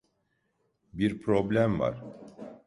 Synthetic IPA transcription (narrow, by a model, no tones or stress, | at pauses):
biɾpʰɾo̞blʲæmva̰ɾ̥